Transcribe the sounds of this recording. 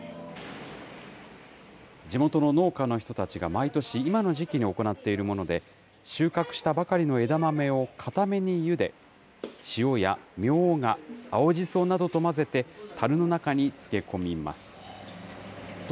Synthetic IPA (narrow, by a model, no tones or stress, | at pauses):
d͡ʑimo̞t̪o̞no̞no̞ːkano̞çi̥t̪o̞t̪at͡ɕiɡamait̪o̞ɕiːmano̞ʑikʲiɲ̟io̞ko̞nat̪ːe̞iɾɯ̟mo̞no̞d̪e̞ | ɕɨːkakɯ̟̥ɕi̥t̪abakaɾʲino̞e̞d̪amame̞o̞kʰat̪ame̞ɲ̟ijɯ̟d̪e̞̰ | ɕio̞jamʲjo̞ːŋaːo̞ʑiso̞ːnad̪o̞t̪o̞maze̞t̪e̞t̪ʰaɾɯ̟no̞nakaɲ̟it͡sɨ̥ke̞ko̞mʲima̰sɨ̥